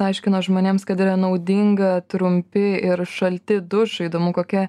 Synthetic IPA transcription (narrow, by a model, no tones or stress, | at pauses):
ɐɪʃʲkʲɪnoːʒmoːnʲeːmskɐt̪ɪːɾɐnɐʊd̪ʲiŋɡɐt̪ɾʊmʲpʲɪɪɾʃɐlʲt̪ʲɪd̪ʊʃɪd̪oːmʊkoːkʲɛ